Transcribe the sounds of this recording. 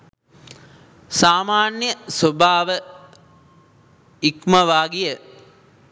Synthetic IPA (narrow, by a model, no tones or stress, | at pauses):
saːmaːnjəsobʱaːʋə | ikmɐʋaːɡijə